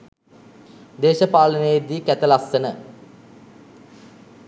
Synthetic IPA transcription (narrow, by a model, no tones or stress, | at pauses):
d̪eːʃəpaːlənəjed̪iːkæt̪əlasːənə